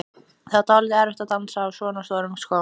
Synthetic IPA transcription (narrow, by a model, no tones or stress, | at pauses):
θaðt̪ʰaːwlɪðɪɛɾœht̪at̪ant̪sawsɔːnast̪ɔːɾʏmsko